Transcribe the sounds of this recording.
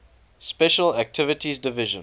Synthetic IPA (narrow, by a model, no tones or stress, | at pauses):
spɛʃəlæk̚tʰɪvətizdɪvɪʒə̰̃n